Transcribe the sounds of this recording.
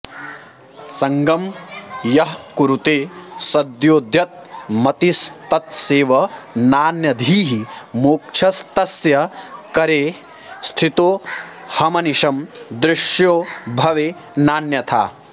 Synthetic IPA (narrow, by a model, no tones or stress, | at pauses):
sɐŋɡɐmjɐɦkuɾut̪eːsɐd̪joːd̪jɐt̪̚mɐt̪ist̪ɐt̪seːʋɐnaːnjɐd̪ʱiːɦimoːk̚t͡ʃʰɐst̪ɐsjɐkɐɾeː | st̪ʰit̪oː | hɐmɐniʃɐmd̪ɾɪʂjoːbʱɐʋeː | naːnjɐt̪ʰa̰ː